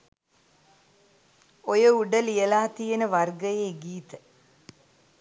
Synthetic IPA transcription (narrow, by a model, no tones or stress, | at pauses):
ojəuɖəlijəlaːt̪ijenəʋarɡəjeːɡiːt̪ə